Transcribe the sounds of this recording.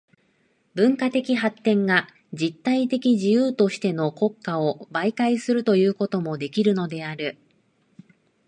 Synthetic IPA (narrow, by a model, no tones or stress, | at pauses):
bɯ̟̃ŋkat̪e̞kʲiɦat̪ːẽ̞ŋɡa | d͡ʑit̪ːait̪e̞kʲiʑijɯːt̪o̞ɕi̥t̪e̞no̞ko̞kːao̞baikaisɨɾɯ̟t̪o̞jɯ̟ːko̞t̪o̞mo̞d̪e̞kʲiɾɯ̟no̞d̪e̞aɾɯ̟